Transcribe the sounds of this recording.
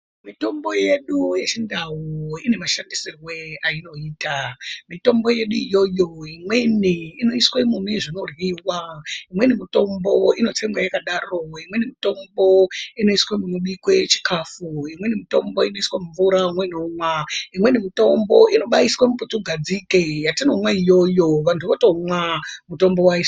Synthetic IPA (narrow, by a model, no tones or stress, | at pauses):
mito̞mbo̞je̞ɗujet͡ʃindawuine̞maʃandisirweaino̞iːtamito̞mbo̞je̞ɗuijo̞jo̞imwe̞niino̞iswemumeʐino̞rwiwaimwenimito̞mbo̞ino̞t͡semwajakaɗaro̞imwe̞nimito̞mbo̞ino̞iswemunuɓikwet͡ʃi̥kʰafuimwe̞nimito̞mbo̞ino̞iswamuɱvuɾaimweinomwaimwe̞nimito̞mbo̞ʔino̞ɓaiswamuputuɡʱad͡zikejatinomwaijo̞joʋantʰuʋotomwamuto̞mbo̞wais